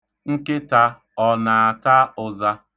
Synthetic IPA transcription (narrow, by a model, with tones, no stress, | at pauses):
ŋ̩˦ke˦ta˦ | ɔ˨na˨a˨ta˦ʊ˨za˦